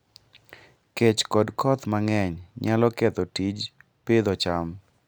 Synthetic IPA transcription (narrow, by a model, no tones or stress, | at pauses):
ket͡ʃkɔdkʰɔt̪maŋɛɲɲalɔket̪ɔtid͡ʒ | ped̪ɔt͡ʃam